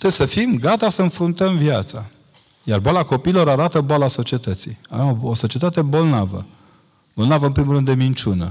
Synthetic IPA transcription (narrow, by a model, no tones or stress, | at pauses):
t̪ɾebesəfimɡat̪asəɨnfɾunt̪əmvjat̪sa | jarboalako̞piːlo̞ɾaɾat̪əboalaso̞t͡ʃie̞t̪ət̪siavemooso̞t͡ʃie̞t̪at̪e̞bo̞lnavə̰ | bo̞lnavəɨmpɾimulɾɨnd̪d̪emint͡ʃunə̰